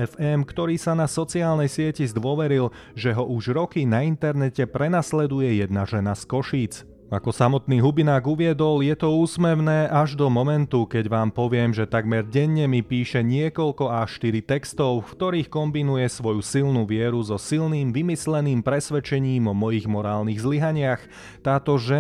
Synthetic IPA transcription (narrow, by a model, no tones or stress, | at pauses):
ɛfɛmkt̪ɔɾiːsanasɔt͡siaːlnɛjsɪɛcizd̪ʊɔʋɛɾil | ʒɛɦɔʔuʒɾɔkinaint̪ɛɾnɛcɛpɾɛnaslɛd̪ujɛjɛd̪naʒɛnaskɔʃiːt͡s | a̰kɔsamɔt̪niːɦubinaːɡuʋɪɛd̪ɔljɛt̪ɔuːsmɛʊnɛːʔaʒd̪ɔmɔmɛnt̪ukɛɟʋaːmpɔʋɪɛmʒɛt̪aɡmɛɾɟɛɲːɛmipiːʃɛɲɪɛkɔlkɔaʃt̪iɾit̪ɛkst̪ɔʊkt̪ɔɾiːxkɔmbinujɛsʋɔjusilnuʋɪɛɾuzɔsilniːmʋimislɛniːmpɾɛsʋɛt͡ʃɛɲiːmɔmɔjiɣmɔɾaːlniːɣzliɦaɲɪax | t̪aːt̪ɔʒɛ